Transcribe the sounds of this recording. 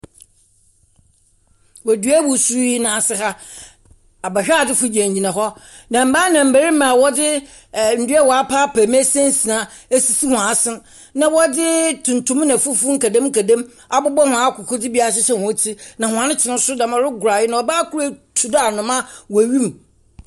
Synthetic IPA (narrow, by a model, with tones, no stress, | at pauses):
wæ˨dɥæ˦wu˨su˦ɾji˦nãː˨sɪ˦ɦa˦ | a˨bɛ˨ɕᶣa˦˨dɪ˦fʊ˦d͡ʑæ̃˨ɲ˨ɲĩ˨nã˨ɦɔ˦ | nã˨m̩˦baː˦nã˨m̩˨bæ˨ɾi˦mã˨wɔ˦dɪ˦˨ | n̩˨dɥɛ˦wɔ˨a˦pʰa˦pʰæː˨m˦æ˦sɛ̃˦n˦si˨nã˨ | e˦si˨si˦hʊ̃˨ã˨˦sɪ˦ | nã˨wɔ˦dɪ˦tʰʊ̃˨n˨tʰʊ̃˦m˦nã˨fʊ˦fu˦ŋ̩˦kæ˨dã˦m̩˦kʰæ˨dã˦m | a˨bʊ˦bɔ˦hʊ̃˨a˨˦kʰʊ˨kʰʊ˦dɪ˦bi˦a˨ɕ̬ɪ˦ɕɛ̃˦hɔ̃˨˦tʰi˦nã˨hʊ̃˨ã˨nɪ̃˦t͡ɕʰɪ˨nʊ̃˦sʊ˦dã˨mã˨ɾɪ˦ɡʊ˨ɾa˨jɪ˦nã˨ɔ˨baː˦kʰu˦ɾæ˨tʰu˨da˦a˨nʊ̃˨mã˦wɔ˨ɥĩ˦m˨